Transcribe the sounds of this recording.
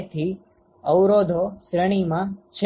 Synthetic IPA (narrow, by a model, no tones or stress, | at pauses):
t̪ʰi | əwɾod̪ʱoʃɾəɽ̃imãt͡ʃʰ